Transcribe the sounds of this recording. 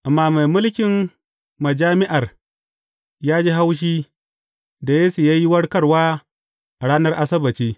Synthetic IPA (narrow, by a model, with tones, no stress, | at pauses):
ʔa˨mːaː˦ma˨jmʊ˦lkʲɪ˨m | mɐ˨d͡ʒaː˦mɪ˦ʔa˨r | jaː˦d͡ʒeː˦ɦa˦wʃ̬iː˦ | da˨jeː˦su˨jaː˦ji˦wɐ˦ɽkɐ˦ɽwaː˦ | ʔa˨ɽaː˦nɐ˦rʔa˦sɐ˦bɐ˨t͡ʃiː˦